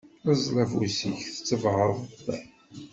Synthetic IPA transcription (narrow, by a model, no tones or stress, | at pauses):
æzˤlævusiçθə̥t͡sːəvʁɾˤðˤəðæ